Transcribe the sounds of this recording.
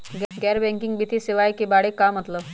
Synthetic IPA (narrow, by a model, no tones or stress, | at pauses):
ɡɡɛɾbɛ̃ŋkɪŋɡbit̪ʰisiʋajkibaɽekamət̪ləb